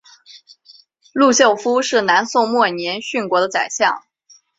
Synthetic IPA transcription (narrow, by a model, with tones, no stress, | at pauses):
lu˥˧ɕjo˥˩ʊfu˥ʂɻ̩˥˩na˧˥nso˥˧ʊmwɔ˥˩njɛ˧˥nɕy˥˩nkwɔ˧˥d̪ə˧t͡sa˨˩ɪɕjɑ˥˩ŋ